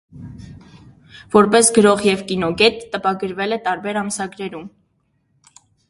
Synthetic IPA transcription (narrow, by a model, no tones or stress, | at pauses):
v̥ɔɾpɛsɡəɾɔʁjɛvkinɔɡɛt̪ːəpɑɡəɾvɛlɛt̪ɑɾbɛɾɑmsɑɡɾɛɾum